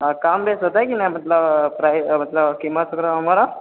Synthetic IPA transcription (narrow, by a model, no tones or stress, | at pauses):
kambesɦot̪ajkinajm̤ət̪lapɾajm̤ət̪ləbkimasəɡɾaɦəmaɾa